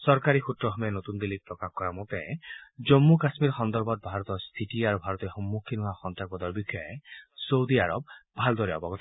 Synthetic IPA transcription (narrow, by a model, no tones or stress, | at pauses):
sɔɾkaɾixut̪ɾɔɦɔmenot̪und̪ilik̚pɹɔkahkɔɹamũt̪ɛ̃d͡ʒɔmːukasmiɾxɔnd̪ɔɾbɔt̪̚bʱaɹɔt̪ɔst̪ʰiʈiaɾubʱaɹɔt̪ɔxɔmːukʰinuaxɔnt̪aɾbɔd̪ɔɹbikʰɔesowd̪iaɾɔb̚bʱald̪ɔɾiɔbɔɡɔt̪